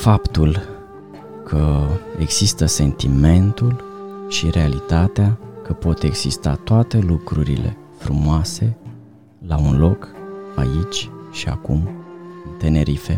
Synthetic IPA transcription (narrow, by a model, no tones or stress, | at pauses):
fapt̪ul | kʰəe̞ɡz̥ist̪əse̞nt̪ime̞nt̪ulʃiɾe̞alit̪at̪eakəpo̞t̪e̞ɡz̥ist̪a̰t̪oat̪e̞lukɾuɾḭle̞̰ | fɾumoase̞ | launlo̞kait͡ʃʲʃia̰kṵmɨnt̪e̞ne̞ɾʔife̞